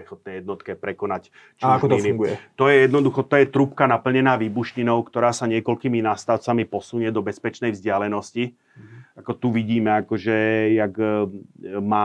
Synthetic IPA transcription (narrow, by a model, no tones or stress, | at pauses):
ɛxɔt̪̚nɛjɛd̪nɔt̪kɛpɾɛkɔnac | t͡ʃk̪iniɡuɛt̪ɔjɛjɛd̪nɔd̪uxɔt̪ɔjɛt̪ɾupkanapl̩ɲɛnaːʋiːbuʃɲinɔʊkt̪ɔɾaːsaɲɪɛkɔlkiːminast̪aʊt͡samipɔsuɲɛd̪ɔbɛspɛt͡ʃnɛjvzɟɪalɛnɔsci | akɔt̪uʋiɟiːmɛakɔʒɛjaɡ | maː